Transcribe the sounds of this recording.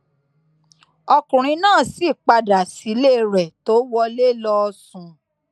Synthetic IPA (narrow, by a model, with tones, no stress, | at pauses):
ɔ˧kũ˨ɾ̃ĩ˧˦nãː˦˨si˦˨k͡pa˧da˨si˨˦le˦˨ɾɛ˨to˨˦wɔ˦le˦˨lɔ˧ɔ˧sũ˨